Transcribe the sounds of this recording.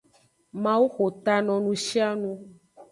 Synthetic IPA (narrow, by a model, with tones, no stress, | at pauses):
mã˦wu˦xo˨t̪a˨nɔ̃˨nũ˦ʃi˦a˦nũ˦